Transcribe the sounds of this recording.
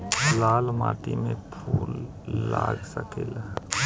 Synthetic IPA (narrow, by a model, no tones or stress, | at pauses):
laːlma̰ːt̪imẽpʰuːlː | aːɡsəkʰel